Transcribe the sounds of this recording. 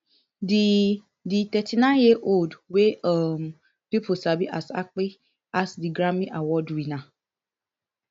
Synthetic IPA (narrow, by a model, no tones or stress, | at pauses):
di | ditɛtʰinãnjiʔoldweɔm̩ | pipʊsabiʔasa̰k͡pɪ | asdiɡɾamiʔawɔdwina